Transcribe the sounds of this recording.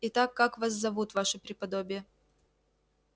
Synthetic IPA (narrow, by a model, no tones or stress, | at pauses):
ɪt̪akːakvaszɐvut̪vaʂɨpɾʲɪpɐd̪obʲɪjə